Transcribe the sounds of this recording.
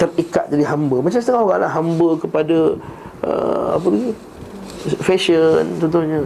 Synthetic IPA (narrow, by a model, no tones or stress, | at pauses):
t̪ərikat̪̚d͡ʒadiɦambəmat͡ʃamsət̪əŋaɦoɣaŋla̰ɦambəkəpada | ʔə̰a̰pəlaɡi | fɛʃənt͡ʃɔnt̪ʊhɲə